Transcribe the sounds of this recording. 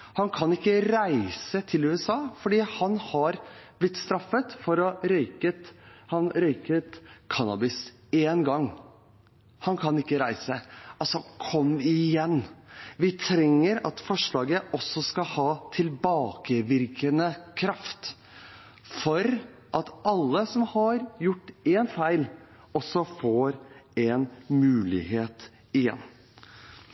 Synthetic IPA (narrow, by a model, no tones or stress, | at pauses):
hɑnkʰɑnɪkːəɾæɪsət̪ʰɪlʉːɛsɑːfɔɖiːhɑnhɑɾb̥lɪt̪ːst̪ɾɑfːət̪fɔɾɔɾœʏkət̪hɑnɾœʏkət̪kʰɑnɑ̰bɪs | eːnɡɑŋ | hɑnkʰɑnɪkːəɾæɪsəɑlsɔkʰɔmːɪjɛnːʋɪt̪ʰɾɛŋːəɾɑt̪fɔʂɭɑːɡəʔɔsːɔskɑhɑːt̪ʰɪlbɑːkəʋɪɾkənəkʰɾɑft̪ | fɔɾ | ʔɑt̪ɑlːəsɔmhɑɾjʊʈːeːnfæɪl | ɔsːɔfoːɾɛnmʉːlɪ̰heːt̪ | ɪjɛ̰nː